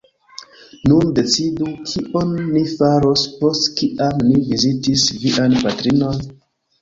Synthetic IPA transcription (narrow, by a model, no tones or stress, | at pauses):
nunde̞t͡sidukʰiʔo̞nːifaɾo̞spo̞stkiʔamnivizitisviʔanpatɾino̞n